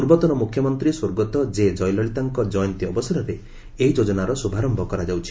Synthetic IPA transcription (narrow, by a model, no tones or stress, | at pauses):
uɾbɔt̪ɔnɔmukʰjɔmɔnt̪ɾiswoɾɡɔt̪ɔd͡ʒed͡ʒɔjlɔɭit̪aŋkɔd͡ʒɔjɔnt̪iɔbɔsaɾɔɾe | eɦid͡ʒod͡ʒɔnaɾɔsubʱaɾɔmbʱɔkɔɾad͡ʒawt͡ʃʰi̥